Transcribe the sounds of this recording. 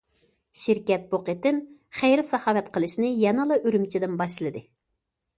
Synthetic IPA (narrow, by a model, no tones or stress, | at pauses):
ʃiɾkʲɛt̪̚boqet̪ɪnχæjɾɪsɑhɑːwɛt̪qəlˠɨʃnɨjɛnɨlˠɑʔyɾymt͡ʃʰid̪ɪnbɑʃlˠɨd̪ɨ